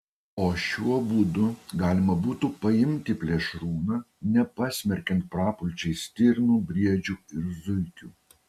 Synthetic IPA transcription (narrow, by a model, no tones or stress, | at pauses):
oːʃʲuɔbud̪ʊɡɑːlʲɪmɐbuːt̪uːpɐɪmʲt̪ʲɪpʲlʲiɛʃɾuːnɑː | nʲɛpɑsʲmʲɛɾʲkʲɛnt̪̚pɾɑːpʊlʲt͡ʃʲɛɪsʲt̪ʲɪɾʲnuːbʲɾʲiɛd͡ʒʲuːɪɾzʊɪkʲuː